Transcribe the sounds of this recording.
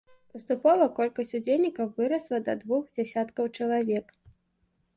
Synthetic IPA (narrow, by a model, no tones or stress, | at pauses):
pɨst̪upɔvˠɐkɔlʲkɐsʲt͡sʲud͡zʲelʲnʲikɐwvɨɾɐslˠɐd̪ɐd̪vuxd͡zʲasʲat̪kɐwt͡ʂɐlˠavʲɛk